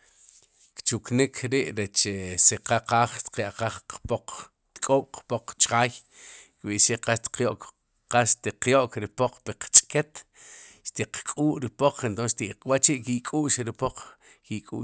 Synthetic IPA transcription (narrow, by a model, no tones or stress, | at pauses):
kt͡ʃuknikʰɾiʔɾet͡ʃeseqaqaːχʃt̪qjaʔqaχpoq | t̪kʼoːɓ̥qpoq͡χt͡ʃχaːjkɓiʔʃiqaʃt̪qjoʔk | qasʃt̪iqjoʔkɾipoq͡χpiqt͡ʃʼket̪ʃt̪iqkʼuːʔɾipoq͡χʰent̪onsʃt̪iʔqwat͡ʃiʔkikʼuːʔʃiɾipoq͡χ | kikʼṵː